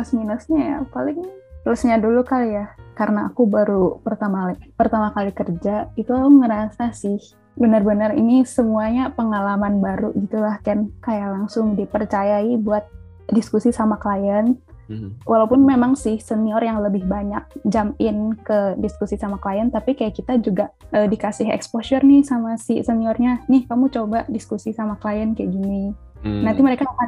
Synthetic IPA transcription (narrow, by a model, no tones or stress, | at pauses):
asminəsɲaja̰palɪŋt̪ələsɲadulukalijakaɾəna̰ːkubaɾupərt̪amapərt̪amakalikərd͡ʒait̪uŋəɾasasɪh | bənərbənərḭnisəmuaɲapəŋalamanbaɾuɡit̪ulahkankajaʔlaŋsʊŋdipərt͡ʃajaibuat̪̚ | diskusisamaklajən | wʔalaupʊnmemaŋsɪhsəniɔrjaŋləbɪhbaɲak̚d͡ʒamɪnkədiskusisamaklajənt̪apikajaʔkit̪ad͡ʒuɡaʔədikasɪɦɛ̰kspoʃərnɪhsamasisəniɔrɲanɪhkamut͡ʃobadiskusisamakəlajənkajaɡini | nant̪iməɾekaaka